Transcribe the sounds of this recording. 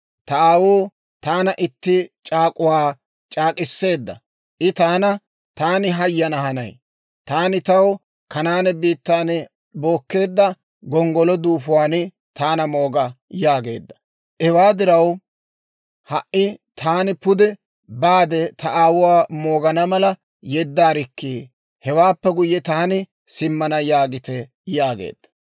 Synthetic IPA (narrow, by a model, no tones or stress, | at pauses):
t̪ɐʔaːwoː | t̪aːnɐʔɪt̪ːɪt͡ʃʼaːkʼʊwaː | t͡ʃʼaːkʼɪsːe̞ːd̪ːɐ̰ | ʔɪt̪aːnɐ | t̪aːnɪɦɐjːɐnɐɦɐnɐ̰j | t̪aːnɪt̪ɐw | kɐnaːnɛbiːt̪ːaːn | bo̞ːkːe̞ːd̪ːɐ | ɡɔŋɡɔlɔd̪uːfʊwaːnɪ | t̪aːnɐmo̞ːɡɐjaːɡe̞ːd̪ːɐ̥ | ʔɛwaːd̪ɪɾɐw | hɐʔɪt̪ʰaːnɪpʊd̪ɛ | baːd̪ɛt̪ʰɐʔaːwʊwaːmo̞ːɡɐnɐmɐlɐ | jɛd̪ːaːɾɪkːiː | hɛwaːpːɛɡʊjːɛt̪aːnɪ | sɪmːɐnɐjaːɡɪt̪ɛ | jaːɡḛːd̪̥ːɐ̥